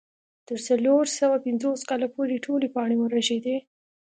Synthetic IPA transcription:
t̪əɾsaloɾsawapɪnzoskɑlapoɾeʈʰolepɑɳ̃eməɾaʒed̪e

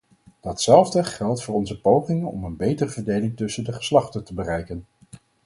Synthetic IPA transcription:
d̥ɑtsɛlˠvdəχɛlˠtfʊːɹɔnzəpowχɪŋənɔ̰mənbejtərəvəɹdejlɪŋtɵsəndəχə̥slɑχtəntəbərɛjkən

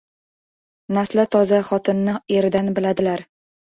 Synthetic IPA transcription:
naslat̪ʰɒzaχɒt̪ʰɪnːɪeɾɪd̪anbɪlad̪ɪlaɾ

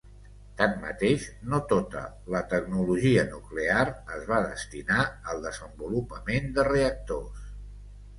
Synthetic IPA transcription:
t̪ammə̰t̪eʃnot̪ot̪ə̰ | lət̪əɡnuluʒiənukleaɾəzβaðə̰st̪inaəlˠd̪əzəmbulupəmend̪əreək̚t̪os

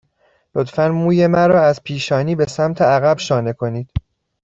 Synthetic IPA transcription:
lot̪fænmuːje̞mæɾɒːæzpʰiːʃɒːniːbe̞sæmt̪ʰeæɣæbʃɒːne̞kʰo̞niːd̪̥

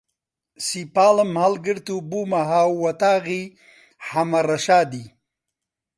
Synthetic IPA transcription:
sipaːləmhalɡəɾt̪ubumaɦaːwwɐt̪aːɣi | hamɐɾɐʃaːd̪i

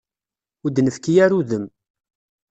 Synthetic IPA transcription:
ʊd̪nəfkijæɾuðəm

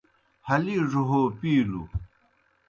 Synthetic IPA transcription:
haliʐoɦopilu

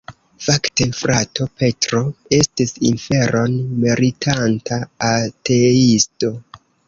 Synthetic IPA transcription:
fakte̞fɾatʰo̞pe̞tɾo̞e̞stisḭnfe̞ɾʔo̞nmeɾitʰantaːtʰe̞isto̞

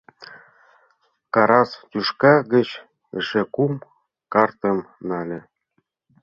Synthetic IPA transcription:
kɑɾɑst̪ʲuʃkɑɡə̆t͡ɕ | ə̰̆ʃĕkum | kɑrt̪ə̆mnɑlʲĕ

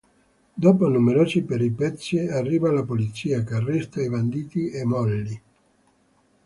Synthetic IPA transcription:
d̪oːponumeɾoːzipeɾipɛt̪sːiarːiːvalapolit̪siːakarːist̪aivand̪iːt̪iemɔlːi

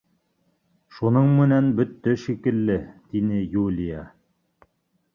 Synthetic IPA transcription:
ʃunɤɴmɘ̆nænbɵt̪ːɵʃikɘ̆lːɘt̪inɘjulʲijɑ

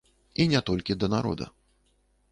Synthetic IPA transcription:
inʲɛt̪ɔlʲkʲid̪ɐnaɾɔ̰d̪ɐ̰

